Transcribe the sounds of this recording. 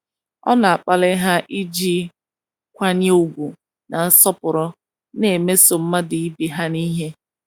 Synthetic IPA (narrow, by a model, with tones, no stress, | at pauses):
ɔ̰˦na˨a˨k͡pa˨lɪ˦ɦa˦ʔi˦d͡ʒi˦ | kʷa˦ɲ˦e˦u˨ɡʷu˨ | na˨n̩˦sɔ˦pʊ˨ɾɔ˦ | ne˨me˦so˨m̩˦ma˦dɪ˨i˦bi˨ɦa˦ni˦ɦe˦